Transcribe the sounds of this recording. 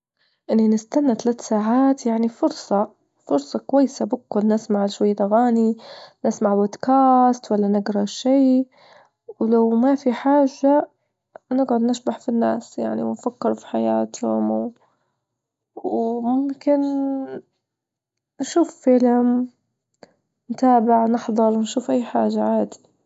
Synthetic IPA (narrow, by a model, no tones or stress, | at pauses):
ʔɪnːinɪst̪anːat̪alaːt̪saːʕaːt̪jaʕnifʊɾsˤɑ | fʊɾsˤɑkʊwajːsabɪkːʊlnɪsmaʕʃwajːat̪aɣaːninɪsmaʕbod̪kaːst̪walːanɪɡɾˤɑʃiː | wlawmafiħaːʒːa | nɪɡʕʊd̪nɪʃbaħfinːa̰ːsja̰ʕnḭwnfakːɪɾufi̥ħajaːt̪hʊmw | wmʊmkɪn | nʃuːffɪlm | nt̪aːbɪʕnɪħðˤɑɾˤwnʃuːfʔajːħaːʒːaʕaːd̪i̥